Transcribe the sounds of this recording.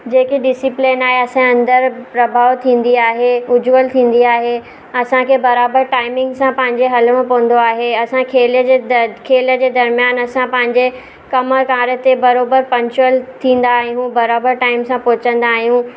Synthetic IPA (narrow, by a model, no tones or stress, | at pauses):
d͡ʑeːkiɖɪsɪplenaːɦeɐsãɐ̃nd̪əɾpɾɐbʱaːʋt̪ʰĩːn̆d̪iaːɦeʊd͡ʑuəlt̪ʰĩːn̆d̪iaːɦe | ɐsãkʰeːbɐɾaːbəɾʈaːɪmɪ̃ŋɡsãpɐ̃ɦɪ̃ɲd͡ʑeɦɐlmãpɐʋə̃n̆d̪oaːɦeɐsãkʰeːljəd͡ʑekʰeːləd͡ʑeːd̪ɐɾmijaːnɐsãpɐ̃ɦɪ̃ɲd͡ʑe | kɐməkaːɾət̪ebɐɾoːbəɾpɐ̃ɲt͡ɕʊəlt̪ʰĩːn̆d̪aːɦĩɦũːbɐɾaːbəɾʈaːɪmsãpʊːt͡ɕə̃nd̪aːɦijũ